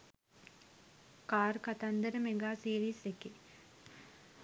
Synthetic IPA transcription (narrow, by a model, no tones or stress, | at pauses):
kaːɾkat̪and̪əɾəmeɡaːsiːɾiːseke